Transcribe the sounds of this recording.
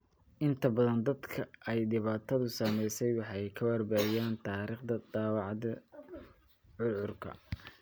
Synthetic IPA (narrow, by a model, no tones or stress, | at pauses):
ʔɪnt̪ʰɐbɐðɐnd̪ɐd̪kʰɐʔɛjɖɪβaːt̪ʰɐðʊsɐmɛjsɛjwɑħjkʰɐwɐrbaːjaːnt̪ʰaːɾiːχd̪ɐd̪ɑːwɑʕðɐ | ʕʊlʕʊrkʰɐ̰